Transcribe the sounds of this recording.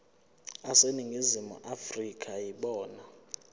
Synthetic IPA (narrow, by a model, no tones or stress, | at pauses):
aseniŋɡʱizimṵʔafrikʰʼajiɓɔːna